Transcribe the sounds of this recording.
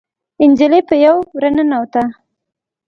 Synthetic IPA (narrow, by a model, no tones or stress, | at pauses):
ɪnd͡ʒalepəjawɾanənawt̪a